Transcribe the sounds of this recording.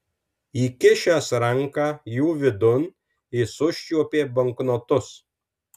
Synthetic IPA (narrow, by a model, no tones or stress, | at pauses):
iːkʲɪʃʲæsɾɐŋˑkɑːjuːʋʲɪd̪ʊn | ɪsʊʃʲt͡ʃʲuɔpʲeːbɐŋknoːt̪ʊs